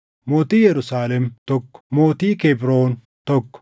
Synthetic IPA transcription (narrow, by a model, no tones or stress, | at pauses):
moːt̪iːjɛɾʊsaːlɛmt̪ɔkːɔ̥moːt̪iːkebɾoːn | t̪ɔkːɔ̥